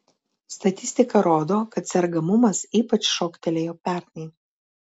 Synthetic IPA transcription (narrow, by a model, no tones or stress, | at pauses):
st̪ɐt̪ʲɪsʲt̪ʲɪkɐɾoːd̪oːkɐt̪sʲɛɾɡɐmʊmɐsiːpɐt͡ʃʃoːkt̪ʲɛlʲejoːpʲæːˑɾʲt̪ʲnʲɛɪ